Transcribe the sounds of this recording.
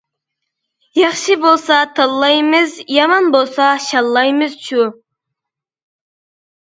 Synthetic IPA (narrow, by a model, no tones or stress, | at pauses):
jɑχʃɨbolˠsɑt̪ʰɑlˠːɑjmɨzjɑmɑnbolˠsɑʃɑlˠːɑjmɨz̥ʃu